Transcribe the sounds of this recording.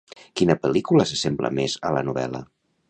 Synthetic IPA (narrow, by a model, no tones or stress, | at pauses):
kinəpəlikuləsəsemblə̰mezələnuβɛ̰lə